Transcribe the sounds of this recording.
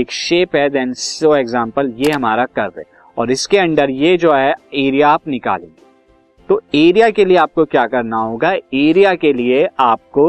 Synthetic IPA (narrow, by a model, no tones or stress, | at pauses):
eːkʃeːpɦɛd̪ɛ̃ːnsoːeːɡzãːmpəljeɦɐmaːɾakɐɾd̪ḛ̃ː | ɔːɾɪskeɐ̃ɳɖəɾjed͡ʒoːɦɛeːɾijaːpnɪka̰ːlḛ̃ːŋɡeː | t̪oːeːɾijakelieaːp̚kokjaːkɐɾnaɦoːɡaeːɾijakelieaːp̚ko